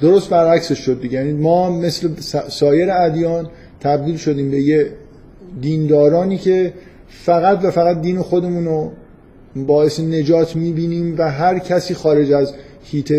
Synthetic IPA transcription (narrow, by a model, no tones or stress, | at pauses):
d̪o̞ɾost̪̚bæɾæcse̞ʃːod̪ːiɟejænimɒːme̞slesɒːje̞ɾeæd̪jɒːn | t̪ʰæb̚d̪iːlʃo̞d̪iːmbe̞je | d̪iːnd̪ɒːɾɒːniːcʰe̞ | fæɣæt̪væfæɣæt̪̚d̪iːnexo̞d̪e̞muːno | bɒːe̞sene̞d͡ʒɒːt̪ʰmiːbiːniːmvæɦæɾcʰæsiːxɒːɾe̞d͡ʒæz | hiːt̪ʰe